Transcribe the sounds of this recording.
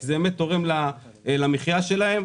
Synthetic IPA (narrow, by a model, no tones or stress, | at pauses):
zemet̪o̞ʁe̞mla | lamiχjaʃe̞lae̞m